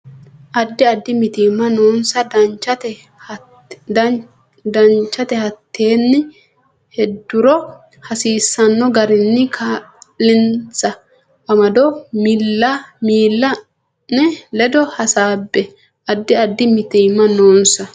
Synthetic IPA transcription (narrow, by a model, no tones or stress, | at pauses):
ʔɐd̪ːɪɐd̪ːɪmɪt̪iːmːɐnoːnsɐɐt͡ʃɐt̪ɛ | d̪ɐnt͡ʃːɐt̪ɛhɐt̪ʰːe̞ːnːɪ | hɛd̪ːʊɾɔ | hɐsiːsːɐnːɔɡɐɾɪnːɪkʰaːlːɪnt͡sːɐː | mɐd̪ɔmɪlːɐmiːlːɐ | nɛlɛd̪ɔhɐsaːbːɛ | ʔɐd̪ːɪɐd̪ːɪmɪt̪iːmːɐnoːnsɐ